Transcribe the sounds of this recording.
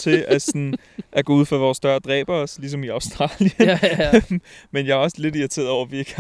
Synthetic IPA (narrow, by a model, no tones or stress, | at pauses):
t͡sʰe̝ʔæsɔn | ʔæɡ̥ɔːuð̞̰ˠfɑʋɒːsd̥ɶɐd̥ʁɛ̰ːb̥ɐslis̬ɒ̽miɑ̈ʊsd̥ʁɑ̰̈ːljə | menjɑ̈æɐɒ̽sle̝d̥iæt͡sʰe̝̰ːɐð̩ˠɒʊɐʋiɐɡ̥